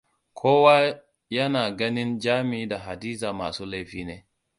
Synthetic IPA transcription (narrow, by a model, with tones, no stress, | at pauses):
kʰoː˦wa˦ | jɐ˦naː˨ɡɐ˦nɪ˦nd͡ʒaː˦mɪ˨i˦da˨ɦa˨diː˦zaː˨ma̰ː˨suː˦la˦jɸiː˦neː˦